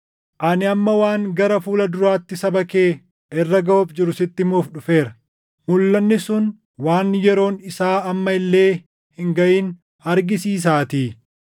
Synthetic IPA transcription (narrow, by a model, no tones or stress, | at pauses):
ʔɐnɪɐmːɐwaːŋɡɐɾɐfuːlɐd̪ʊɾaːt̪ːɪsɐbɐke̞ː | ʔɛrːɐɡɐɔbd͡ʒɪɾʊsɪt̪ːɪmuːfᶑʊfe̞ːɾɐ | mʊlːɐnːɪsʊn | waːnjɛɾo̞ːnɪsaːɐmːɐɪlːe̞ː | hɪŋɡɐʔiːn | ɐɾɡɪsiːs̬aːt̪iː